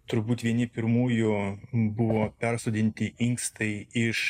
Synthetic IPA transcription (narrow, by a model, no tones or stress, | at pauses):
t̪ʊɾbuːt̪ʲʋʲiɛnʲɪpʲɪɾmuːjʊbʊʋoːpʲɛɾsoːd̪ʲɪnʲt̪ʲɪʔɪŋkst̪ɐɪɪʃ